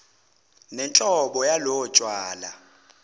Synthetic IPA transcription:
nɛnt͡ɬʼɔɓɔjalɔɔt͡ʃʼwaːla

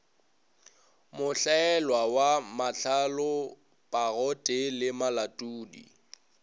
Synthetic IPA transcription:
mʊɬaɛlwawamaɬʰalʊ | pʼaɣɔtʼɪlɪmalatʼuːdḭ

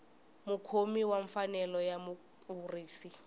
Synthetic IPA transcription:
mʊkʰomiwaɱfanɛlɔjamu | kʼuriːsi

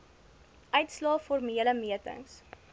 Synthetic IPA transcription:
ʔœɥtslɑːfɔrmiələmiətə̰ŋs

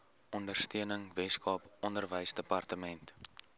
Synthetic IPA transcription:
ʔɔndərstiənəŋvɛskɑːpɔndərvəjsdəpɐrtəmɛnt

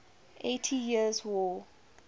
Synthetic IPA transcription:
ʔḛtʰijiəzwɔː

